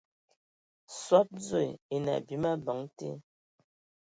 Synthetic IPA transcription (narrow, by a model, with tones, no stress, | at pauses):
swa˦t̚d͡ze˦˨e˨na̰˨bi˨˦ma˦bɔ˨˦ŋtḛ˦